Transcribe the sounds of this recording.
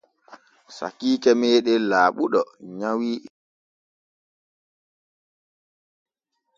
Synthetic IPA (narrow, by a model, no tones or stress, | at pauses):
sa̰kiːkɛmeːɗɛlaːɓuɗɔɲawiː